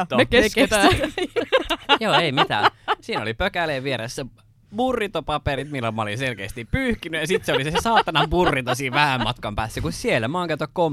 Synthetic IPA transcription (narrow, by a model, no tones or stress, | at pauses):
t̪nekeket̪æ | joːeimit̪æ̰siːnolipøkæleːʋieɾesːæ | murːit̪opɑpeɾit̪milːolmɑo̰linselkḛːst̪ippyːhkinyjɑsit̪seolisesɑːt̪ːɑnɑmpurːit̪ɑsiːʋʋæhæmmɑt̪kɑmpæːsːækussielːæmɑːŋkæt̪ːækkom